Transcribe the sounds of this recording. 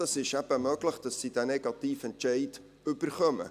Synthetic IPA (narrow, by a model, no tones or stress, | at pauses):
ɑsɪʃɛbəmœɡləχd̥ɑsːidɛnɛɡɑtiːfɛntʃɛɪd | ʏbəɾχœmə̰